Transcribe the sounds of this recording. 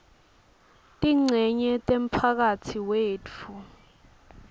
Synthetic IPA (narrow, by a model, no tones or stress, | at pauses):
tʼiŋ͡ǀʱɛɲɛtʼem̩pʰak̬atʰiweːtʰu